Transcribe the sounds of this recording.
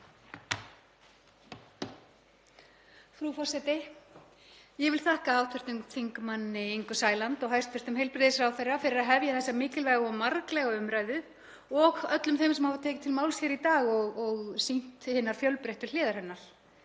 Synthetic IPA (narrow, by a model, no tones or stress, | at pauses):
fɾufɔ̥sɛt̪ɪ | jɛɣvɪlθahkaaːwht̪ʰvɪr̥t̪ʏŋθiŋkmanːɪeŋkʏsaːjlant̪ɔɣɦajst̪fvɛr̥t̪ʏmɦejlpɾɪðɪsɾaːwθɛrːafɪɾɪɾaðɦɛvjaθɛsːamɪːcɪlvɛːɣɔmːaɾklɛɣaʏmɾajðʏ | ɔɣœt̪lʏmθejmsɛmhavat̪ʰɛːcɪ̥t̪ʰɪlmaːwlsjɛɾit̪aːɣɔɣɔɣsin̥t̪hɪːnaɾ̥fjœlpɾejht̪ʏ̥ɾ̥lɪːðaɾ̥hɛnːaɾ̥